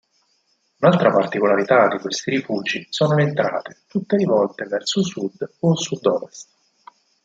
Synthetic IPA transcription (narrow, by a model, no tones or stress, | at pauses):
unalt̪ɾapart̪ikolaɾit̪ad̪ikwest̪iɾifuːd͡ʒisoːnoleːnt̪ɾa̰ːt̪et̪ut̪ːelivɔlt̪evɛrsosud̪ːosud̪ːɔːvest̪